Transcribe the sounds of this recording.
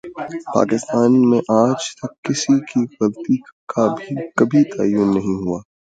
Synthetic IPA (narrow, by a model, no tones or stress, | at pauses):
pa̰ːkɪst̪aːnmẽʔaːd͡ʒt̪ɐkːɪsikiɣɐbt̪ikʰabʱikɐbʱit̪ʰa̰ːjːʊnːɐɦĩɦuaː